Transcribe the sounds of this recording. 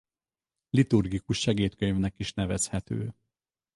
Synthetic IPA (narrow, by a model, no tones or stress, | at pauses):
lit̪urɡikuʃːɛɡeːt̪køɲvnɛkiʃnɛvɛshɛt̪ø̰ː